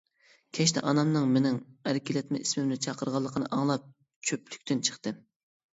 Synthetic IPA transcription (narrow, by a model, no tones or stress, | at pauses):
kʲʰɛʃt̪ʰɛ̰ʔɑnɑmnɨŋmɪnɪŋæɾɪkʲilɛt̪mɪʔismɪmnɪt͡ʃʰɑqʰəɾʁɑlˠːəqʰənɨ̰ʔɑŋlˠɑp̚ | t͡ʃʰøply̥kʲt̪ynt͡ʃʰə̥χt̪ɨ